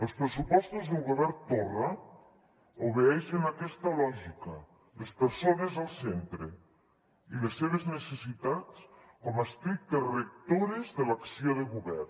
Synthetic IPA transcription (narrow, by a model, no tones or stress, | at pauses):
əlˠspɾesupɔst̪uzðelˠɣuβɛɾt̪ora | uβeɛʃenakɛst̪alɔʒikə | lespəɾsonezəlˠsent̪ɾe | ilesːeβ̞eznesesit̪at͡s | kɔmast̪ɾik̚t̪erek̚t̪oɾezðelaksioðeɣuβɛr